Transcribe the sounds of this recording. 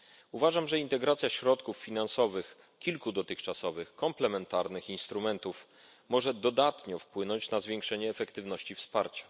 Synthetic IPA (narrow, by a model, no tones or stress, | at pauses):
uvaʐamʐɛint̪ɛɡɾat̪sʲjaɕɾɔt̪kufːʲinansɔvɘx | kʲilkud̪ɔt̪ɘxt͡ʂasɔvɘxkɔmplɛmɛnt̪aɾnɘxinst̪ɾumɛnt̪uf | mɔʐɛd̪ɔd̪at̪ɲɔfpwɘnɔɲt͡ɕnazvʲjeŋkʂɛɲɛːfɛkt̪ɘvnɔɕt͡ɕifspaɾt͡ɕḁ